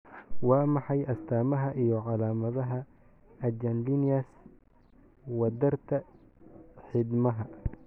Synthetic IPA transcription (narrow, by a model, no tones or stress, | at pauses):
wɑːmɑħɑjʔɐst̪ʰaːmɐɦɐʔijɔʕɑlaːmɐðɐɦɐ | ɐd͡ʒɐnlinɪjɐs | wɐd̪ɐrt̪ʰɐ | ħɪd̪mɐɦɐ